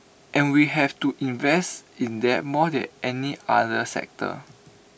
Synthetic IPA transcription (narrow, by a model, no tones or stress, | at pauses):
ʔɛ̃nwiɦɛvtuʔĩnvɛstĩndɛt̚mɔdɛ̰̃nɛniadəsɛ̰k̚tʰə̰